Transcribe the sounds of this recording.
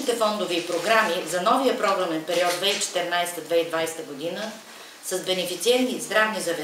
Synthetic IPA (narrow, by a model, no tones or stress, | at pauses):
it̪ɛfɔnd̪oviːpɾoɡɾamizɐnɔvijəpɾɔɡɾɐmɛnpɛɾiɔd̪̚d̪vɛit͡ʃɛ̥t̪ɛɾnajst̪əd̪vɛid̪vajst̪əɡod̪inə | sɐzbɛnɛfit̪siɛnt̪izd̪ɾavnizɐvɛ